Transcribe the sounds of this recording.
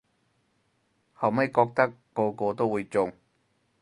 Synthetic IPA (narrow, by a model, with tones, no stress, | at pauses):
hɐ˨˩wmɐ˥jkɔː˧k̚t̪ɐ˥kːɔː˧kɔː˧t̪o˥wuː˨˧jt͡sʊ˨ŋ